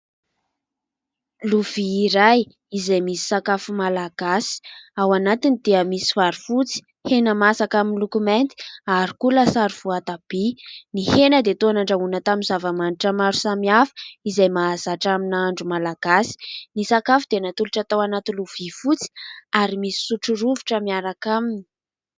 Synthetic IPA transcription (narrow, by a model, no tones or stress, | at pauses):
luv̥iːɾaj | izajmisi̥sakafumalaɡ̥asi̥awanat̪inid̪̥eəmisivaɾifut͡si̥ | henəmasakaminlukument̪i̥aɾikulasaɾuv̥uat̪ab̥inihenəd̪et̪oanaɳɖ͡ʐaunət̪aminzavamaniʈ͡ʂəmaɾu̥samiafə̥izajmazaʈ͡ʂaminaɳɖ͡ʐumalaɡ̥asi̥nisakafud̪enat̪uluʈ͡ʂat̪awanat̪iluv̥ifut͡si̥aɾimisi̥suʈ͡ʂuɾuvuʈ͡ʂəmiaɾakamini̥